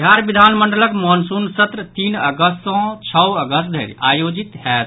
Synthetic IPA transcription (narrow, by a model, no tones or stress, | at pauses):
d̪ʱjaɾbid̪ʱanməɳɖələkmɔnsunsət̪ɾət̪inəɡəst̪ɔ̃t͡ʃʰəəɡəst̪d̪ʱeɾiajod͡ʒit̪ɦɛt̪